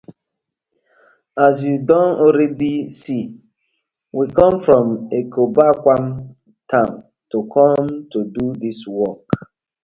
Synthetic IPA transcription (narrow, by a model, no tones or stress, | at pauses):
as̬judɔ̃nɔɾɛdisi | wikɔ̃mfɹɔ̃mekʰobakʷãm | tʰãm | tokʰɔ̃mtodudiswɔk